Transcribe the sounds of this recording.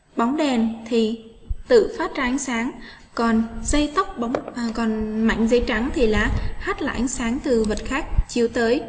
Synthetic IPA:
ɓa˨˦wŋ͡mɗɛ˨˩nt̪ʰi˨˩ | t̪ɨ̰˧˨faː˦˥t̚zaː˧ʔa˨˦ŋ̟saː˨˦ŋ | kɔ˨˩nza˧jt̪ə˦˥wk͡p̚ɓa˨˦wŋ͡mkɔ˨˩nma̰˧˨jŋ̟zə˨˦jt͡ɕa˨˦ŋt̪ʰi˨˩laː˨˩haː˦˥t̚la̰ː˧˨˩ʔa˨˦ŋsaː˨˦ŋt̪ɨ˨˩və˨˩t̚xaː˦˥k̚t͡ɕi˨˦wt̪əː˨˦j

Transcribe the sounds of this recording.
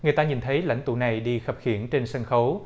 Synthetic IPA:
ŋɨ˨˩əjt̪aː˧ɲi˨˩nt̪ʰə˨˦jla̰˧˥jŋ̟t̪ṵ˧˩na˨˩jɗi˧xə˨˩p̚xi˧˩ənt͡ɕe˧nsə˧nxə˨˦w

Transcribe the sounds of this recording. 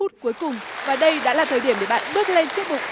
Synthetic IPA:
u˦˥t̚ku˨˦əjkʊ˨˩ŋ͡mvaː˨˩ɗə˧jɗa̰ː˧˥laː˨˩t̪ʰəː˨˩jɗi˧˩əmɗe˧˩ɓa̰ː˧˨nɓɨ˦˥ək̚le˧nt͡ɕɨ˦˥ək̚mʊ˨˩k͡p̚

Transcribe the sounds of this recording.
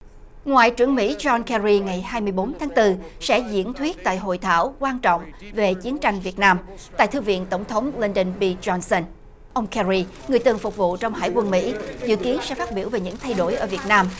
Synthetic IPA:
ŋwa̰ː˧˨jt͡ɕɨ˧˩əŋmḭ˧˥zɔ˧nkɛ˧ɹi˧ŋa˨˩jhaː˧jmɨ˧əjɓo˨˦nt̪ʰaː˨˦ŋt̪ɨ˧sɛ̰˧˥zḭ˧˥ənt̪ʰwi˦˥ət̚t̪a̰ː˧˨jɦo̰˧˨jt̪ʰa̰ː˧˩wkwaː˧nt͡ɕɔ̰˧˨wŋ͡mve˨˩t͡ɕi˨˦ənt͡ɕa˧jŋ̟vi˨˩ət̚naː˧m | t̪a̰ː˧˨jt̪ʰɨ˧vḭ˧˨ənt̪ə˧˩wŋ͡mt̪ʰə˨˦wŋ͡mli˧nɗə˧nɓi˧zɔ˧nsə˧n | ʔə˧wŋ͡mkɛ˧zi˧ | ŋɨ˨˩əjt̪ɨ˨˩əŋfʊ˨˩k͡p̚vṵ˧˨t͡ɕɔ˧wŋ͡mɦa̰ː˧˥˩jkwə˧nmḭ˧˥zɨ̰˧˨ki˨˦ənsɛ̰˧˥faː˦˥t̚ɓi˧˩əwve˨˩ɲɨ̰˧˥ŋt̪ʰa˧jɗo˧˩jʔəː˧˩vi˨˩ət̚naː˧m

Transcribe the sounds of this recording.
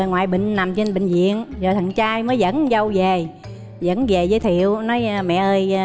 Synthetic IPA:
ŋwa̰ː˧˨jɓḭ˧˨ŋ̟na˨˩mt͡ɕe˧nɓï˧˨ŋ̟zḭ˧˨ənzo˨˩t̪ʰə˨˩ŋt͡ɕaː˧jməː˨˦jzə̰˧˥nzə˧wze˨˩ | zə̰˧˥nze˨˩zəː˨˦jt̪ʰi˧˨əwnɔ˨˦jmɛ̰˧˨ʔəː˧j

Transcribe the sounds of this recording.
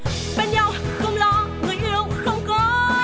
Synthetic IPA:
ɓə˧nɲa˧˩wxə˧wŋ͡mlɔ˨˦ŋɨ˨˩əjʔɨ˧˨wŋ͡mxə˧wŋ͡mkɔ˨˦

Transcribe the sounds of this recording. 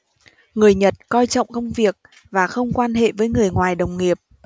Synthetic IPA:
ŋɨ˨˩əjɲə˨˩t̚kɔ˧jt͡ɕɔ̰˧˨wŋ͡mkə˧wŋ͡mvi˨˩ək̚ | vaː˨˩xə˧wŋ͡mkwaː˧nɦḛ˧˨vəː˨˦jŋɨ˨˩əjŋwaː˨˩jɗə˨˩wŋ͡mŋi˨˩əp̚

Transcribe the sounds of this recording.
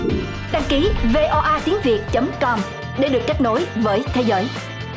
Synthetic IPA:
ɗaː˧ŋki˨˦ve˧ʔɔ˧ʔaː˧t̪i˨˦əŋvi˨˩ət̚t͡ɕə˨˦mkɔ˧m | ɗe˧˩˦ɗɨ˨˩ək̚ka˦˥k̚no˨˦jvəː˨˦jt̪ʰe˨˦zəː˨˦j

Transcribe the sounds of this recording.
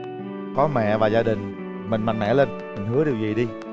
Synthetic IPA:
kɔ˨˦mɛ̰˧˨vaː˨˩zaː˧ɗï˨˩ŋ̟ | mï˨˩ŋ̟ma̰˨˩ŋmɛ̰˧˨leː˧n | mi˨˩ŋ̟ɦɨ˨˦əɗi˨˩wzi˨˩ɗi˧

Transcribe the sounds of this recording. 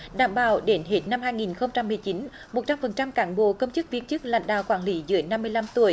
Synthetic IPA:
ɗa̰ː˧˨mɓaː˧˩wɗe˨˦nɦe˦˥t̚na˧mhaː˧jŋi˨˩nxə˧wŋ͡mt͡ɕa˧mːɨ˨˩əjt͡ɕi˨˦n | mo˨˩t̚t͡ɕa˧mfə˨˩nt͡ɕa˧mkaː˧˩nɓo̰˧˨kə˧wŋ͡mt͡ɕɨ˦˥k̚vi˧˦ənt͡ɕɨ˦˥k̚la̰˧˨ŋ̟ɗa̰ː˧˨wkwaː˧˩nli˨˦zɨ̰˨˧˦əna˧mːɨ˧əjla˧mt̪u˧˩əj

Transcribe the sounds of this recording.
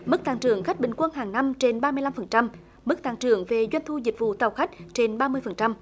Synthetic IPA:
mɨ˦˥k̚t̪aː˧˩ŋt͡ɕɨ˨˩əŋxa˦˥k̚ɓï˨˩ŋ̟kwə˧nɦaː˨˩ŋna˧mt͡ɕe˧nɓaː˧mɨ˧əjla˧mfə˨˩nt͡ɕa˧m | mɨ˦˥k̚t̪aː˧˩ŋt͡ɕɨ˨˧˩əŋve˨˩zwa˧jŋ̟t̪ʰu˧zï˨˩k̟̚vṵ˧˨t̪ə˨˩wxa˦˥k̟̚t͡ɕe˧nɓaː˧mɨ˧əjfə˨˩nt͡ɕa˧m

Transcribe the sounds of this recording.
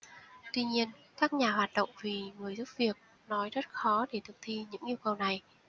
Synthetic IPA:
t̪wi˧ɲi˧ən | kaː˦˥k̚ɲaː˨˩ɦwaː˨˩t̚ɗə̰˧˨wŋ͡mvi˨˩ŋɨ˨˩əjzu˦˥p̚vi˨˩ək̚ | nɔ˨˦jzə˦˥t̚xɔ˨˦ɗe˧˩t̪ʰɨ˨˩k̚t̪ʰi˧ɲɨ̰˧˥ŋʔi˧əwkə˨˩wna˨˩j

